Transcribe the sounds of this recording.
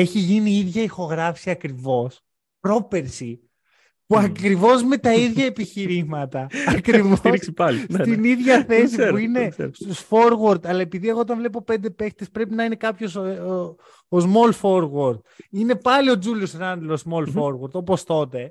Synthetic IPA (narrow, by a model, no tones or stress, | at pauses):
e̞çiʝiniiðʝɐixo̞ɣɾɐfsiɐkɾivo̞s | pɾo̞pe̞ɾsi | puɐkɾivo̞zme̞t̪ɐiðʝɐepiçiɾimɐt̪ɐɐkɾivosipɐlnst̪iniðʝɐθe̞s̬ipuine̞st̪usfo̞ɾɣoɾd̪ɐlɐe̞piðieɣo̞ot̪ɐɱvle̞p̬o̞pe̞nd̪e̞pe̞kt̪espɾe̞pinɐine̞kɐpço̞s | ozmo̞lfo̞ɾɣwoɾd̪̚ine̞pɐlio̞d͡zulosɾɐnd̪loszmo̞lfoɾɣoɾt̪o̞po̞st̪o̞t̪e̞